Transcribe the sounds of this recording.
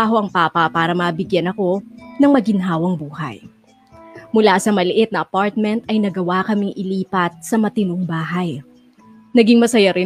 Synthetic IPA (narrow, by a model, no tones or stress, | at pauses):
aɦo̞ʔɐŋpapɐpaːɾɐmɐbɪɡjanɐko̞nɐŋmɐɡɪnɦaːwɐŋbuːhɐ̰j | mʊlasɐmɐlɪʔɪt̪̚nɐʔɐpaɹt̪̚mɛnt̪ɐjnɐɡɐwakɐmɪŋʔɪliːpɐt̪̚sɐmɐt̪ɪnʊŋbaːɦɐj | nɐɡiŋmɐsɐjaɾɪ